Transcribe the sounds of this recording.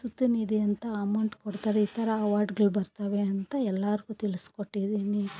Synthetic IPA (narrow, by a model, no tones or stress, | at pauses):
sut̪ːuniːd̪iɐnt̪ɐɐmɐwɳʈkoɽt̪aːɾeiːt̪ʰɐɾɐɐʋaːɾɖɡɐɭbɐɾt̪ɐʋeɐnt̪ɐɛlːaːɾiɡuːt̪iliskoʈːid̪iːni